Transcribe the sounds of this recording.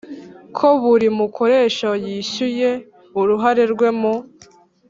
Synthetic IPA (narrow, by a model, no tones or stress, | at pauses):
kʰo̞βuɾimukʰo̞ɾe̞ːʃojiɕuje̞ | uɾuɦaɾe̞ɾɡwe̞mo